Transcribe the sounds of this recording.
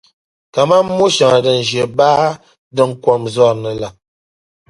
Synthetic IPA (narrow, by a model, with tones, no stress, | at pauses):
ka˨ma˦mː˦u˦ʃa˨ŋa˨də˨n̩˨d͡ʒje˨baː˦ | də˦˨ŋ̩˦kwɔ˨mzɔ˦˨ɾnə˨la˨